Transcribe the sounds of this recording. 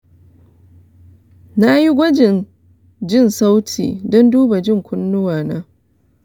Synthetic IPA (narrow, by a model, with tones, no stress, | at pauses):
na˦ji˦ɡʷɐ˦d͡ʒɪ˨n | d͡ʒɪ˦˨nsa˦wtʰḭː˨dɔ˦nduː˦ba˨d͡ʒɪ˦ŋkʷʰʊ˦nːʊ˦waː˨naː˦